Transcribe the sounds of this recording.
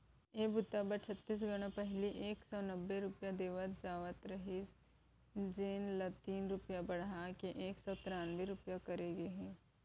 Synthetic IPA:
eːbʊt̪ːabəɾt͡ʃʰɐt̪ːiːs̬ɡɐɽ̃õpɛɦliʔeːksɔnɐbːeɾʊpjad̪eːʋət̪d͡ʒaːʋət̪ɾɐɦis | d͡ʒeːnlət̪iːnɾʊpjabɐɽɦakeʔeːksɔːt̪ɪɾaːnʋeɾʊpjakɐɾeɡeɦɛ̃ː

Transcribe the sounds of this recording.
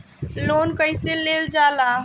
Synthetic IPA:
lonkəɪ̃seleld͡ʒala

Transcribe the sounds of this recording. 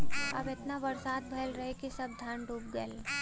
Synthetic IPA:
ɐ̰bet̪naʋɐɾsaːd̪̚bʱɐlɾɐɦekisɐb̚d̪ʱaːɳɖuːp̚ɡəl

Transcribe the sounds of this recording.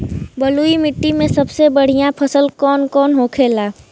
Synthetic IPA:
bəluːimɪʈːimẽsɐbsebəɽ̤ijãpʰəsəlkɔːnkɔːnɦoːkʰeːlaː

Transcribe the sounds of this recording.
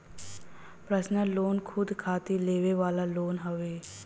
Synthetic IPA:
pɾəsnəloːnkʰʊd̪kʰaːt̪ileːʋeʋaːlaloːnɦəʋeː

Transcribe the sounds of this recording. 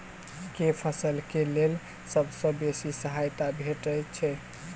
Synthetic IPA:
kepʰəsəlkelel | səbʱsə̃besisəɦajt̪abʱeʈəjt͡ʃʰɛ

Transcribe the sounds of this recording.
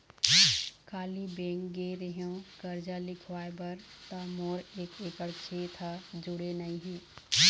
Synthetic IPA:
kʰaːlibeːŋɡɡeɾeɦõkəɾd͡ʒalɪkʰʋaːebəɾ | t̪amoːɾeːkeːkəɾt͡ʃʰeːt̪ʰad͡ʒʊɽenəĩɦɛ̃ː

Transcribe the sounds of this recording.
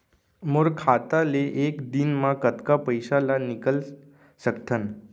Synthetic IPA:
moɾkʰat̪aleʔekd̪inmãkət̪kapəjsalanikəl | səkt̪ʰən

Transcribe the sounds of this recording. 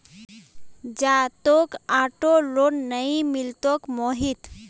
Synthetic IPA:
d͡ʒat̪okaʈolonnəĩmilt̪okmoɦit̪

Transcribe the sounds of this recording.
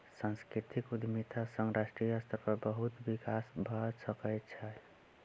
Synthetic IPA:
sãnskɾit̪ikud̪mit̪ʰasə̃ŋɡɾasʈɾijəst̪ʰəɾpəɾbəɦut̪bikasbʱəsəkəjt̪t͡ʃʰəl

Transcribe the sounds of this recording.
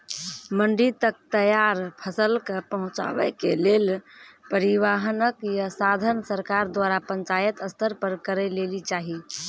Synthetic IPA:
məɳɖit̪ək̚t̪əjaɾpʰəsəlkəpəɦʊ̃t͡ʃa̰wɛkelelpəɾiʋaɦnəkjasad̪ʱənsəɾkaɾd̪waɾapə̃ɲt͡ʃajət̪əst̪ʰəɾpəɾkəɾɛlelit͡ʃaɦi

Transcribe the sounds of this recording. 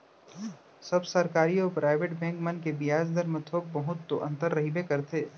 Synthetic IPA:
sɐbsɐɾkaːɾiɔːpɾʔaːɪʋeːʈbɛ̃ːŋkmɐnkebijaːd͡ʒd̪əɾmə̃t̪ʰoːɡ̚pɐɦʊt̪t̪oʔɐ̰̃nt̪əɾːɐɦibekɐɾt̪ʰeː

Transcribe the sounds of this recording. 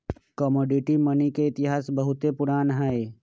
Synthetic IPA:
kɔmoːɖɪʈimənikeɪt̪ɪɦaːsbɐɦʊt̪epʊɾaːnɦɛe

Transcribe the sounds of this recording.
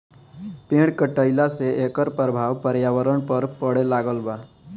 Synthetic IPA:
pĩɽkəʈəjlaseʔekəɾpəɾbʱaʋpəɾjaʋəɾəɳpəɾpəɽelaɡəlba

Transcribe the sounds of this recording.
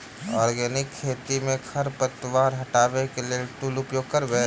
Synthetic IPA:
ɔːɾɡɛːnɪkʰːeːt̪imẽkʰɐɾpət̪ʋaːɾɦɐʈaːʋekelieʈuːlʊpjoːɡ̚kɐɾɡəe

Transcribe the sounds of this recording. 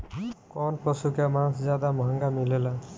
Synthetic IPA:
kɔnpɔsukʰjamanszjad̪amɦaŋɡamilɛla

